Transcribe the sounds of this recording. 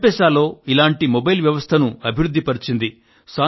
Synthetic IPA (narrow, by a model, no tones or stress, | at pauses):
pɛːʃaːlːo̞ːilaːɳʈimobɐjlʋjɐʋɐst̪ʰɐnuɐbʱiɾud̪ʱːipɐɾit͡ʃind̪i | saː